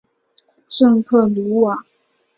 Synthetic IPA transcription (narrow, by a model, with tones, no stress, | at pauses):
ʂɤ˥˧ŋt̪ʰɤ˥˩lu˧˥wa˨˩˦